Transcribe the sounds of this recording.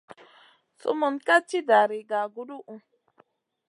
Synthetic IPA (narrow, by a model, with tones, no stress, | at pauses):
sṵ˦mu˨nka˦t͡ʃi˦da˨ɾi˨ɡa˨ɡu˦du˦ʔu˨